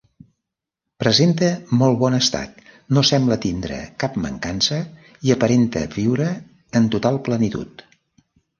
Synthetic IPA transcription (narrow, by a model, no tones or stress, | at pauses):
pɾəzent̪əmɔlˠβɔnəst̪a̰t̪ | nosɛmblət̪ind̪ɾə̰kapmə̰ŋkansə | iəpəɾent̪ə̰βiwɾəː | nt̪ut̪alˠplənit̪ṵt̪